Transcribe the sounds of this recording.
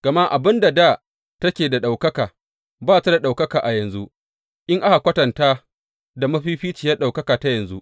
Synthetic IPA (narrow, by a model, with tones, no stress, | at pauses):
ɡ̥ɐ˨ma˦ʔa˨bɪ˦nda˨da˦˨ | tɐ˦kʲeː˨da˨ɗa˨wkɐ˦kaː˨ | baː˦ta˦da˨ɗa˨wkɐ˦kaː˨ʔa˨jɐ˨nzu˦ʔ | ʔɪ˦ŋʔa˦ha˨kʷɐ˦tɐ˨ntaː˦ | da˨mɐ˦ɸiː˦ɸiː˦t͡ʃi˨ja˦ɗa˨wkɐ˦kaː˨ta˦jɐ˨nzu˦ʔ